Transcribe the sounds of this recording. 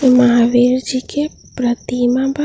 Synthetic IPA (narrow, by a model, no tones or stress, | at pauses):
mɐɦaʋeɾd͡ʒike | pɾət̪imaba